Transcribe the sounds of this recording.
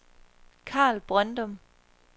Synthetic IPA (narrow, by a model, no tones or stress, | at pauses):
kʰɑ̰̈ːlb̥ʁand̥ɒm